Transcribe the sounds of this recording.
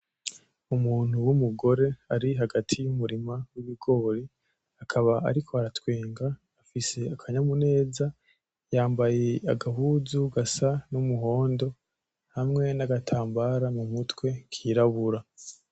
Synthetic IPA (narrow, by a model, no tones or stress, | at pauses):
umuːn̥huwumuɡo̞ɾe̞aɾiɦaɡatʰijumuɾimawiβiɡo̞ːɾi | akʰaβaa̰ɾikʰo̞aɾatweːŋɡaː | fise̞akʰaɲamune̞ːza | jaːmbaje̞aɡaɦuzuɡasanumuɦo̞ːndo̞ | hamŋe̞naɡatʰaːmbaɾamumutwe̞kʰiːɾaβuɾa